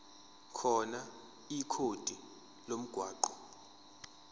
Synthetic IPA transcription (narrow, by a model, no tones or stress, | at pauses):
kʰɔna | ikʰod̥ʱi | lom̩ɡ̥ʱwaːǃɔ